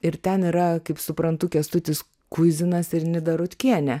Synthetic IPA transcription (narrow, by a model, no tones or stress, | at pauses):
ɪɾt̪ʲɛniːɾɐkɐɪpsʊpɾɐnt̪ʊkʲɛst̪ʊt̪ʲɪs | kʊzʲɪnɐsɪɾnʲɪd̪ɐɾʊt̪ʲkʲiɛnʲɛ